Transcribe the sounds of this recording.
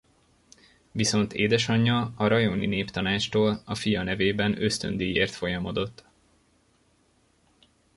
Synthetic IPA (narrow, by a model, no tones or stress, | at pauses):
viso̞nt̪ʰeːd̪ɛʃɒɲːɒɒɾɒjonḭneːpt̪ɒnaːt͡ʃt̪oːlɒfijɒnɛveːbɛnø̞st̪ø̰nd̪ejeːrt̪fo̞jɒmo̞d̪o̞t̪ː